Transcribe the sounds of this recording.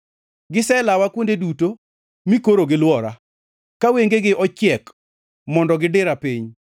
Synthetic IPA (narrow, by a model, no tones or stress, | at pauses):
ɡɪsɛlawakwondeduto | mikoɾoɡɪlwɔɾa | kaweŋɡeɡɪʔɔt͡ʃɪɛk | mɔndɔɡɪdɪɾapiɲ